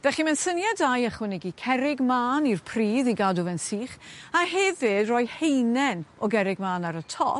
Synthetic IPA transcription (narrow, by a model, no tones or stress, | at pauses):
v̥ɛχimɛnsənjadajaχwɪnɪɡikʰɛɾɪɡmaːnirpʰriːðiɡadʊvɛnsiːχaɦɛvɪdrɔːjhejnɛnɔɡɛɾɪɡ̚maːnaɾətʰɔ̰